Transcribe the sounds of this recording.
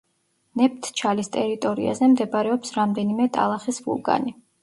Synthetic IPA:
nɛp̚ʰt̪ʰt͡ʃʰalist̪ʼɛɾit̪ʼɔɾḭa̰zɛmd̪ɛbɾɛɔpsɾamd̪ɛnimɛt̪ʼa̰lˠaχisvṵlˠɡʼa̰ni

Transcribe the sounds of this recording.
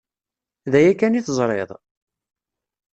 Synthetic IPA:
ðæjækːæniθzˤɾˤḛðˤ

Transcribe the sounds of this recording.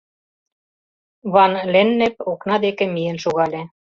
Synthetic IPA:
βɑnlĕnːĕp̚oknɑd̪ekĕmijĕnʃoɣɑlʲĕ

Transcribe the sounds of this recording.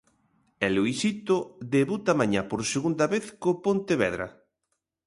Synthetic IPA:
ɛluisit̪oðeβut̪amaɲapoɾseɣund̪ɐβeθkopont̪eβɛðɾɐ̰

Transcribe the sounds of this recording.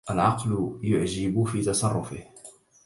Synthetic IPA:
ʔalʕɑqlʊjʊʕd͡ʒɪbʊfiːt̪ɑsˤɑrˤːʊfɪh

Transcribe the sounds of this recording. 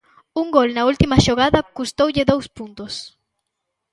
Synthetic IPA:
uŋɡolnɐult̪imaʃoɣaðɐkust̪owʎeðowspunt̪os

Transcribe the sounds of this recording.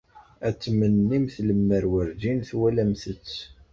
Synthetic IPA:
æt͡sːmənːimθləmːəɾwəɾd͡ʒinθwælæmθət͡sː

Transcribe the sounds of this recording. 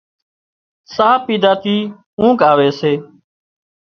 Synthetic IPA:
saːpiːd̪aːt̪ʰiː | ũːkaːʋeːseː

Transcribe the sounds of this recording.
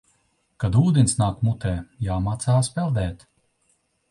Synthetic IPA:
kad̪uːd̪ʲɛnʲsnaːkmut̪ɛːjaːmaːt̪saːspɛlˠd̪ɛːt̪

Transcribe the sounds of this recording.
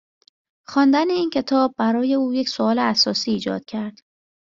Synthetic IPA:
xɒːnd̪æneiːncʰe̞t̪ʰɒːb̚ːæɾɒːje̞uːjecsoɒːleæsɒːsiːd͡ʒɒ̰ːd̪̥̚cʰæɾd̪̥

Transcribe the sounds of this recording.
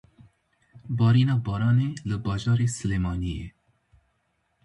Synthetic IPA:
bɑːɾiːnɑːbɑːɾɑːneləbɑːd͡ʒɑːɾesɨleːmɑːnijḛ

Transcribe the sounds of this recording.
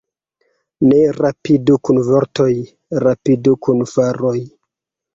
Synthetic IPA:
ne̞ɾapidukunvoɾto̞j | ɾapidukunfaɾoj

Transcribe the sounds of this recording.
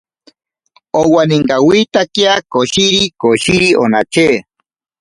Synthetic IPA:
owaniŋɡawit̪akjakoʃiɾikoʃiɾiʔo̰nat͡ʃeː

